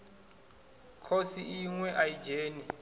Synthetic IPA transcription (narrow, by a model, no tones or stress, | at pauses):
kʰosiiŋwɛʔaji̥d͡ʒeːni